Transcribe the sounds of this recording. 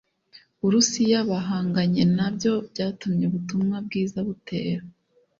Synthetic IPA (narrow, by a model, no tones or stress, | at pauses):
βuɾusijaβaɦaːŋɡaɲe̞nabjo̞bɟaːtumɲeβutumŋab̚ɡiːzaβute̞̰ːɾa